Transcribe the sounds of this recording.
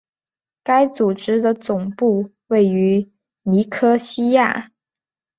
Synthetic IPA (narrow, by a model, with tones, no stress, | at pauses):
ka˥ɪt͡su˨˩ʈ͡ʂɻ̩˥d̪ə˨t͡sʊ˨˩ŋpu˥˧ | we˥˩ɪy˧˥ | ni˧˥kʰɤ˥ɕi˥ja̰˥˩